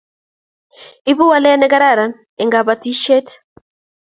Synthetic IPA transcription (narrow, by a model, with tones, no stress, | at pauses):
i˦βu˦wa˦lɛ˦nɛ˦ɡa˦ɾa˦˨ɾa˨n | ɛ˨ŋɡa˨ba˨ti˦ʃɛ˦t